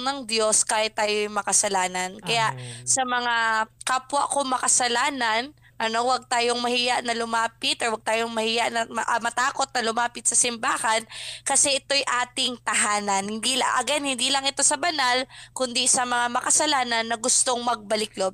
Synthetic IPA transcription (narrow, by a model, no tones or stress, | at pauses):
nɐŋd̪jo̞skaːhɪt̪ːaːjojmɐkɐsɐlaːnɐnkɐjaʔsɐmɐŋakapwɐ̰ʔkomɐkɐsɐlaːnɐn | ʔɐno̞wɐɡ̚t̪aːjoŋmɐhiːjɐʔnɐlʊmaːpɪt̪ʔɔɹwɐɡ̚t̪aːjoŋmɐhijaʔnɐmʔmɐt̪aːko̞t̪̚nɐlʊmaːpɪt̪̚sɐsɪmbaːhɐnkɐsɛʔɪt̪o̞jʔaːt̪ɪŋt̪ɐɦaːnɐnhɪnd̪iːlaŋʔɐ̰ɡanhɪnd̪iːlɐŋʔɪt̪o̞sɐbɐnalkʊnd̪isɐmɐŋamɐkɐsɐlaːnɐnːɐɡʊst̪o̞ŋmɐɡ̚bɐlɪk̚lob